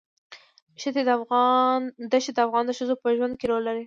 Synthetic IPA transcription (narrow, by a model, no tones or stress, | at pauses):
ʃɪd̪ed̪nd̪aʃed̪əafɣɑnd̪əʃəzopəʒwand̪̚keɾolːaɾi